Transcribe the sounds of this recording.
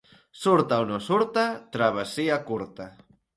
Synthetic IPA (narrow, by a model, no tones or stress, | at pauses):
suɾt̪aonosuɾt̪at̪ɾaβ̞asiakuɾt̪a